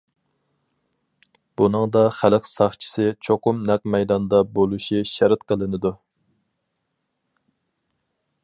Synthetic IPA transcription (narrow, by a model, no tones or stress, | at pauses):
b̥unɨŋd̪ɑχælɪkʲsɑχt͡ʃʰi̥sɪt͡ʃʰoqʊmnɛq̚mɛjd̪ɑnd̪ɑbolˠuʃiʃɛɾɨt̪̚qʰəlˠɨnɪd̪u